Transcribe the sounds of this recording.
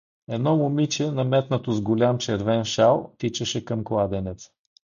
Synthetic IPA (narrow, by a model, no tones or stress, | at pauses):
ɛd̪nɔmʊmit͡ʃɛnɐmɛt̪nət̪ʊzɡʊlʲamt͡ʃɛɾvɛnʃalˠt̪it͡ʃəʃɛkəmklˠad̪ɛnɛt̪s